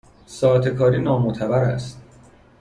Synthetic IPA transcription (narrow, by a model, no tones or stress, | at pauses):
sɒːæt̪ʰekʰɒːɾiːnɒːmot̪ʰæbæɾæst̪̚